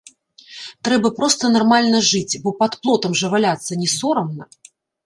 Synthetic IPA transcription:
t̪ɾɛbɐpɾɔst̪ɐnarmalʲnɐʐɨt͡sʲbɔpɐt̪plˠɔt̪ɐmʐɐvalʲat̪sːɐnʲɛsɔɾɐmnɐ

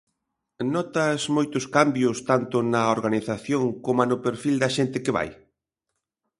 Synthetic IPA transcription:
nɔt̪ɐzmojt̪ʊskambjʊst̪ant̪ʊnɐoɾɣaniθaθjoŋkomanʊpeɾfild̪ɐʃent̪ɪkɪβa̰j

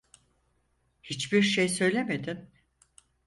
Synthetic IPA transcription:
hit͡ʃbiɾʃejsø̞jlʲemed̪im

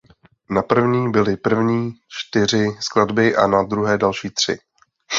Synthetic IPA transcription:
napr̩vɲiːbɪlɪpr̩vɲiːt͡ʃt̪ɪr̝ɪskladbɪʔa̰nad̪ɾuɦɛːdalʃiːt̪r̝̥ɪ̰

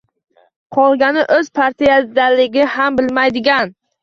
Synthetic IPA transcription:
qʰɒlˠɡʲanɪʔɵz̥pʰaɾt̪ijad̪alɪɡʲɪhambɪlmajd̪ɪɡʲan

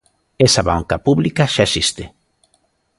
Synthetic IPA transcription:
esaβaŋkapuβlikaʃaesist̪e

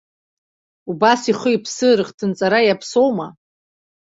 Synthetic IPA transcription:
ubasiχəipʰsɨɾɨχtʰɨnt͡sʼaɾajapʰso̞wma

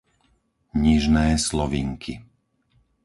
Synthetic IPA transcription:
ɲiʒnɛːslɔʋḭːŋkʰi

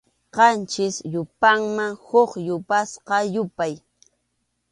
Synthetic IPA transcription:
qɑnt͡ʃɪsjʊpaŋmaŋhoχjʊpasqɑjʊpaj

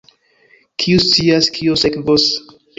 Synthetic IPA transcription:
kʰiust͡siaskʰiosekvos

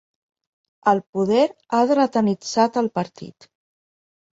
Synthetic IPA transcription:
əlˠpuðɛɾaðɾət̪ənid͡zat̪əlˠpəɾt̪ḭt̪

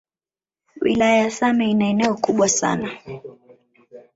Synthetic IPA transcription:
wḭlajajasamɛinaɛnɛɔkuɓwasa̰na

